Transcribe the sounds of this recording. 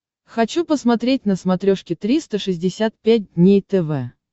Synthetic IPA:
xɐt͡ɕupəsmɐt̪ɾʲetʲnəsmɐt̪ɾʲoʂkʲɪt̪ɾʲist̪əʂɨzʲdʲɪsʲat̪̚pʲæt̚ʲdʲnʲejt̪ɛvɛ

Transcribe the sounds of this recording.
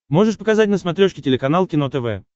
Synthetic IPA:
mo̞ʐɨʂpəkazat̚ʲnəsmat̪ɾʲoʂkʲɪtʲɪlʲɪkɐnalˠkʲɪnot̪ɛvɛ̰

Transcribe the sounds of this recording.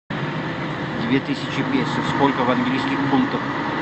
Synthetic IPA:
d̪ʲvʲet̪ɨsʲɪt͡ɕɪpʲesʲɪfskolʲkəvɐnɡlʲijskʲixpunkt̪əf

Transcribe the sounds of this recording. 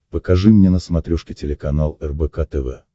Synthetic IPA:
pəkɐʐɨmnʲenəsmɐt̪ɾʲuʂkʲɪtʲɪlʲɪkɐnalˠɛrbɛkat̪ɛvɛ̰

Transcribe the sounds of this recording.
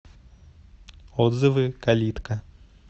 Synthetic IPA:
ɔd̪zɨvɨkalʲit̪kɐ

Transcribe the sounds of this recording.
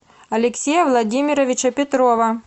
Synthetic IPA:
ɐlʲɪksʲejɐvlˠɐdʲimʲɪɾɐvʲɪt͡ɕɐpʲɪt̪ɾovɐ

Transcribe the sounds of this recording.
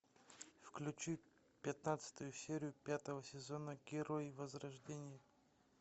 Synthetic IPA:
fklʲʉt͡ɕu | pʲɪt̪nat̪sɨ̥t̪ʊjʊsʲeɾʲɪjʊpʲat̪əvəsʲɪzonəɡʲɪɾojvəzɾɐʐdʲenʲɪjə

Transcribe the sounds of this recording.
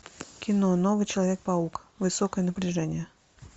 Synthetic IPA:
kʲɪnonɔvɨt͡ɕɪlˠɐvʲek̚pɐukvɨsɔkəjənəpɾʲɪʐɛnʲɪjə

